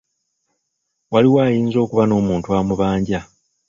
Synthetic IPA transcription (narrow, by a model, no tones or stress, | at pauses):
waliwaːjiːnzo̞ːkuβano̞ːmuːntuaːmuβaːɲɟa